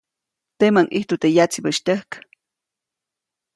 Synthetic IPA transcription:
t̪emaŋʔiht̪ut̪ejat͡sibəʃt̪əhk

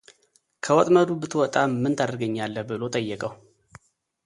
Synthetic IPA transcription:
kʰəwɔt̪ʼməd̪ubɨt̪ʰwɔt̪ʼamːɨnt̪ʰad̪əɾɡəɲːalːəbɨlo̞t̪ʼəjːɛkʼəw

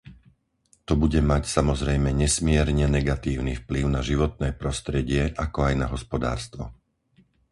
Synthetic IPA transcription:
t̪ɔbuɟɛmacsamɔzɾɛjmɛɲɛsmɪɛɾɲɛnɛɡat̪iːʊnifpliʊnaʒiʋɔt̪̚nɛːpɾɔst̪ɾɛɟɪɛʔakɔajnaɦɔspɔd̪a̰ːɾst̪ʋɔ̰

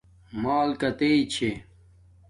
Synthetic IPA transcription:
maːlkɐt̪eit͡ɕʰe

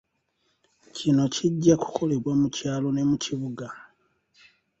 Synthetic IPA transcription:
cino̞ciɟːaku̥kʰo̞le̞βwamucaːlo̞ne̞muciβuɡa

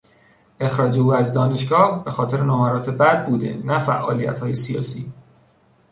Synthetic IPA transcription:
ʔe̞xɾɒːd͡ʒe̞uːæzd̪ɒːne̞ʃɡɒːhb̥e̞xɒːt̪ʰe̞ɾenomæɾɒːt̪ʰe̞bæd̪̚buːd̪e̞̰næfæ̰ʔɒːlijæ̰t̪hɒːje̞sijɒ̰ːsiː

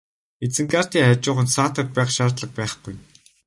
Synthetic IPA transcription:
et͡sɘ̆ŋɡar̥t̪iːŋat͡ɕʊːχə̆nt̪saːt̪ə̆kt̪̚pæːχʃaːrt̪ɮə̆k̚pæːχɡuj

